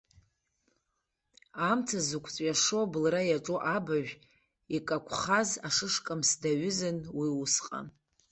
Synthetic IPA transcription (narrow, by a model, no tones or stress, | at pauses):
amtʰazukʷʰt͡sʼɥaʂobɨlrajaʈ͡ʂʼuʔabaʒᶣ | ikʼakʷʰχazaʂɨʂkʼamsdaɥʏzɨnwiusqʼa̰